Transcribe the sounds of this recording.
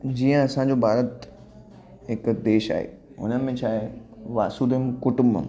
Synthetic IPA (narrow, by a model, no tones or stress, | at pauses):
d͡ʑiːə̃ɐsãːɲd͡ʑobʱaːɾət̪ | ɦɪkd̪eːʃa̰ːɦḛː | ʊ̰nəmẽt͡ɕʰaːɦeʋa̰ːsud̪emkʊʈʊmbə̰m